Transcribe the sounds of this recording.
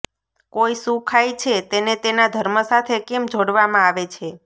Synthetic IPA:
koisũkʰajt͡ʃʰet̪enet̪enad̪ʱəɾməsat̪ʰekemd͡ʒoɽʋamãaʋet͡ʃʰe

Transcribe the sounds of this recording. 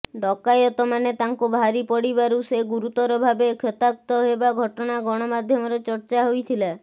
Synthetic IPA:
ɖɔkajɔt̪ɔmanet̪aŋkubʱaɾipɔɽibaɾuseɡuɾut̪ɔɾɔbʱabekʰɔt̪ak̚t̪ɔɦebaɡʱɔʈɔɽ̃aɡɔɽ̃ɔmad̪ʱjɔmɔɾɔt͡ʃɔɾt͡ʃaɦojt̪ʰila

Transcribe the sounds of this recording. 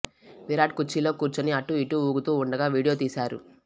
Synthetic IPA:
ʋiɾaːʈ̚kut͡ʃːilo̞ːkuːɾt͡ʃɐniɐʈːuiʈuːuːɡut̪uːuɳɖɐɡaːʋiːɽijo̞ːt̪iːsaːɾṵ

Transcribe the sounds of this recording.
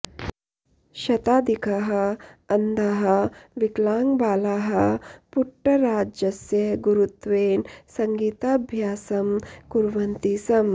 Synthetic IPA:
ʃɐt̪aːd̪ʱikʰaɦɐɐnd̪ʱaɦɐ̆ʋiklaːŋɡbaːlaːɦɐpuʈːɐɾaːd͡ʒjɐsjɐɡuɾut̪ʋeːnsɐŋɡiːt̪aːbʱjaːsɐmkuɾʋɐnt̪iːsɐm

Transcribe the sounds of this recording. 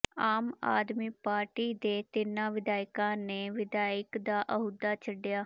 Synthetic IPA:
aːma̰ːd̪miːpaːɾʈiːd̪eːt̪ɪnãːʋɪd̪aːɪkãːneːʋɪd̪aːɪkd̪aːʔəɦʊd̪aːt͡ʃʰəɖjaː

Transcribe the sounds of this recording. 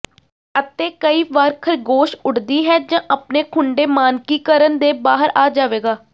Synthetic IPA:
ət̪eːkəiːʋaːɾkʰəɾɡoːʃʊɽd̪iːɦɛːd͡ʒãːʔəpneːkʰʊɳɖeːmaːnkiːkəɾənd̪eːbaːɦəɾaːd͡ʒaːʋeːɡaː

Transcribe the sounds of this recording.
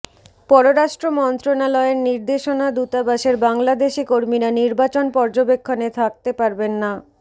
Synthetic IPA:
pɔɾoɾaʃʈɾomɔnt̪ɾonalɔeɾniɾd̪eʃonad̪ut̪abaʃeɾbaŋlad̪eʃikoɾmiɾaniɾbat͡ɕonpɔɾd͡ʑobekʰːonet̪ʰak̚t̪epaɾbenːa

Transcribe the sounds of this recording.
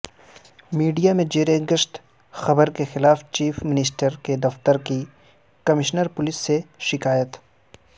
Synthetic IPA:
miːɖijamẽd͡ʒeːɾeɡəʃt̪ | xɐbəɾkexɪlaːft͡ʃiːfmɪnɪs̬ʈəɾked̪ɐft̪əɾki | kɐmɪʃnəɾpʊlɪsːeʃɪkaːjət̪

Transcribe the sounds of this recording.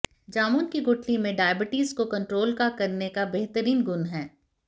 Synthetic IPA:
d͡ʒaːmuːnkiɡʊʈʰlimẽɖaːjəbɪʈiːzkokɐ̃ɳʈɾoːlkakɐɾnekabeɦt̪əɾiːnɡʊnɦɛː

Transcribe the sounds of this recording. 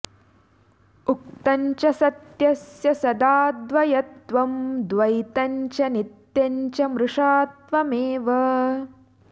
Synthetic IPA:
ukt̪ɐɲt͡ʃɐsɐt̪jɐsjɐsɐd̪aːd̪ʋɐjɐt̪ʋɐmd̪ʋɐjt̪ɐɲt͡ʃɐnit̪jɐɲt͡ʃɐmɾuʂaːt̪ʋɐmeːʋɐ

